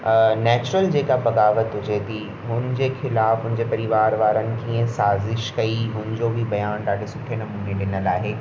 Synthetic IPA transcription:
nɛːt͡ɕʊɾəld͡ʑeːkabɐɣaːʋət̪ɦʊd͡ʑet̪ʰi | ɦʊnɪd͡ʑexɪlaːfɦʊ̃nɪ̃d͡ʑepɐɾɪʋaːɾʋaːɾənɪ̆k̪ʰiẽsaːzɪʃkɐiɦʊnɪ̃d͡ʑobʱibɐjaːnɗaːɽesʊʈʰenɐmuːneɗɪnəlaːɦeː

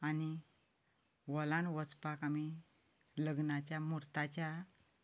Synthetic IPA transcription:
ani | ʋɔlãnʋət͡spakami | ləɡnat͡ɕjamuɾt̪at͡ɕja

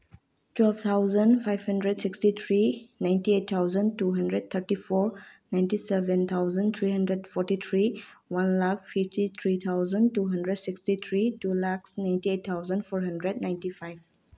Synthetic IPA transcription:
twɛlbt̪ʰawzənpʰajbhɐndɾedsikstit̪ʰɾinajntiet̚t̪ʰːawzəntuɦɐndɾed̚t̪ʰəɾtipʰɔɾnajntisebent̪ʰawzənt̪ʰɾiɦəndɾedpʰɔɾtit̪ʰɾiwanlakspʰiftit̪ʰɾit̪ʰawzəntuɦəndɾedsikstit̪ʰɾitulaksnajntiet̚t̪ʰːawzənpʰɔɾɦɐndɾednajntipʰajb

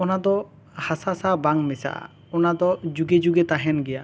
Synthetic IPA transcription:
ɔnad̪ɔ | hasasabaŋmɛsa̰ʔa̰ | ɔnad̪ɔd͡ʒuɡed͡ʒuɡɛt̪aɦɛnɡɛja

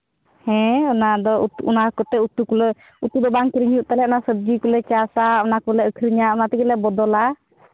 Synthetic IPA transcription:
hɛ̃ɔnad̪ɔut̪uʔunakɔʈɛut̪ukulɔ | ut̪ud̪ɔbaŋkiɾiɲuʔt̪alɛʔɔnasəb̚d͡ʒikulɛt͡ʃasaɔnakɔlɛəkʰɾiɲaɔnat̪ikɛlɛbɔd̪ɔla

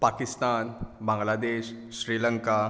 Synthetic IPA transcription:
pakist̪anbãŋɡlad̪eɕ | ɕɾiləŋka

